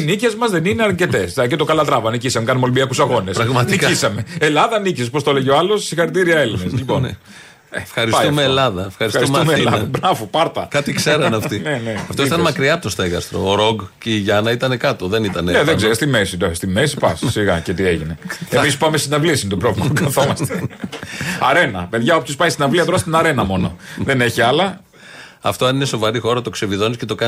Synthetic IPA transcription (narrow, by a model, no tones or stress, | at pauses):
nice̞zmɐzðenineɐɾce̞t̪esɐcet̪o̞kɐlɐt̪ɾɐvɐnicisɐmekɐnumolibiɐkusɐɣo̞nesɾɐɣmɐniisɐme̞elɐðɐnicispost̪o̞leʝeoɐlo̞ssixɐɾit̪iɾiɐe̞lineslipo̞n | efxɐɾispjtɐufmeːlɐðɐefxɐɾisɐɾsumumelɐðɐbɾɐvopɐɾt̪ɐkɐt̪ikseɾɐnɐft̪ineneɐft̪oit̪ɐnmɐkɾiɐpt̪ost̪eɣɐst̪ɾo̰ːɾoɡceiʝɐnɐit̪ɐne̞kɐt̪o̞ðe̞nit̪ɐneneðeɡzeɾost̪imesid̪ost̪imesipɐssiɣɐcet̪ieʝineemispɐmest̪inɐvliɐsint̪opɾovlimɐɡɐθomɐst̪e | ɐɾe̞nɐpe̞ðʝɐopçospɐjist̪inɐvliɐt̪oɾɐsit̪ɐnɐɾe̞nɐmo̞no̞ðene̞çiɐlɐ | ɐft̪oɐnine̞so̞vɐɾixo̞ɾɐt̪o̞kse̞viðo̞nisce̞t̪o̞kɐn